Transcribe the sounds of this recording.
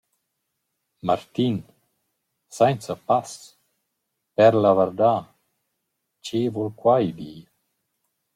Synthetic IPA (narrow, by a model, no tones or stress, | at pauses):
maɾt̪in | sɛnsapas | pɛɾlavɛɾd̪a | t͡ʃevulkwajd̪iː